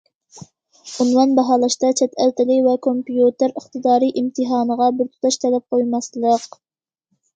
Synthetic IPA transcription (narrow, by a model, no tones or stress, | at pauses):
unwɑnbɑɦɑːlˠɑʃt̪ɑt͡ʃʰɛt̪ʰælt̪ɪlɪkʲvɛkʰompijut̪ɪɾəχt̪ɨd̪ɑːɾiʔimt̪ʰɨɦɑːnəʁɑbɪɾt̪ʰu̥t̪ʰɑʃt̪ʰɛlɛp̚qʰojmɑslˠəq